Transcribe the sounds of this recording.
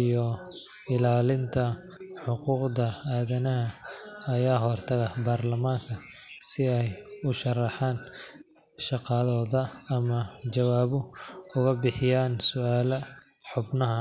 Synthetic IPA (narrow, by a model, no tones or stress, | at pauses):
ijɔɪlaːlɪnt̪ʰɐ | ħʊquːqðɐaːðɐnɐɦɐ | ɐjaːɦɔrt̪ʰɐɣɐbaːrlɐmaːŋkʰɐ | sɪɛjʊʃɐrɑħaːn | ʃɑqɑðɔːðɐɐmɐt͡ʃɐwaːβʊʊɣɐbɪħɪjaːnsʊaːlɐ | ħʊbnɐɦɐ